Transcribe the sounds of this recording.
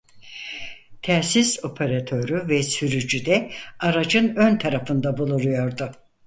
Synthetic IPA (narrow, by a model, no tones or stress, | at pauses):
t̪ʰɛːsiso̞pʰeɾat̪ʰøɾyvɛsyɾyd͡ʒyd̪ɛaɾad͡ʒɯnønt̪ʰaɾafɯnd̪abulˠuɾujo̞ɾd̪ʊ